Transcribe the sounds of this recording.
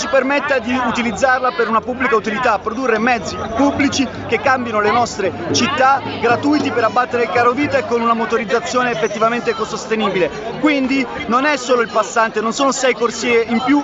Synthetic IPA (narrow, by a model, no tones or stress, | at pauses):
t͡ʃipermet̪ːad̪iut̪ilid̪zːarlapeɾunapubːlikaut̪ilit̪aːpːɾod̪urːemɛd̪zːipubːlit͡ʃi | kekːambjanolenɔst̪ɾet͡ʃit̪ːaɡɾat̪ujt̪ipeɾabːat̪ːeɾekaːɾoviːt̪aekːonunamot̪oɾid̪zːat̪sːjoːneːfːet̪ːivament̪ekosost̪eniːbile | kwind̪i | nonɛsːoːloilpasːant̪enonsoːnosɛjkorsiːeimpju